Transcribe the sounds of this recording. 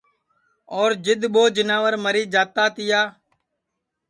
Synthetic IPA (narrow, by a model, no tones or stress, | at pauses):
oːɾd͡ʒɪd̪ɓoːd͡ʒɪnãːʋəɾməɾiːd͡ʒaːt̪aːt̪ɪjaː